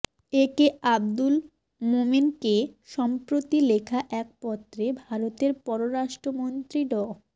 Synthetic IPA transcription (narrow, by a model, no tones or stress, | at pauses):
ekeabd̪ul | mominkeʃɔmpɾot̪ilekʰaʔɛk̚pɔt̪ːɾebʱaɾot̪eɾpɔɾoɾaʃʈɾomont̪ɾiɖɔ